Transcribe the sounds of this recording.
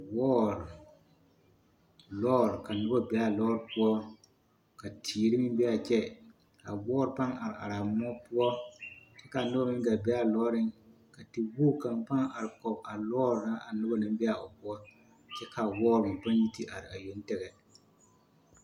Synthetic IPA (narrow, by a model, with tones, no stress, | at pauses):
wɔː˦ɾ | lɔː˦ɾka˨nʊ˦ba˦bɛ˦a˨lɔː˦ɾpʊ˦ɔ˦ | ka˨tʰiː˨ɾi˦mɪ˦bɛ˦a˨t͡ʃɛ˦ | ka˨wɔː˦ɾpa˦ŋa̰˨ɾɪ˨a̰˨ɾa˨m˦ɔ˦pʊ˦ɔ˦t͡ʃɛ˦ka˨nʊ˦ba˦mɪ˦m˦da˨bɛ˦a˨lɔː˦ɾɪ˦ŋ | ka˨ti˨wuː˦ka˨mpa˦ŋa˨ɾɪ˨kɔ˨ba˨lɔː˦ɾna˦ʔa˨nʊ˦ba˦nɪ˦m˦bɛ˦a˨ʊ˨bʊ˦ɔ˦ | t͡ʃɛ˦ka˨wɔː˦ɾɪ˨pa˦n˦ji˦ti˦ʔa˨ɾɪ˨a˨jo˦n˦tɛ˦ɣɛ˨